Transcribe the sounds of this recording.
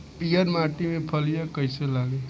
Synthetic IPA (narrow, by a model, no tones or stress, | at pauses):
piːjəɾmaːʈimẽpʰəlijakəɪselaːɡe